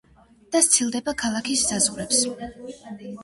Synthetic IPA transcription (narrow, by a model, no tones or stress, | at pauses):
d̪̥ast̪sʰilˠd̪ɛbakʰalˠakʰiszazʁuɾɛps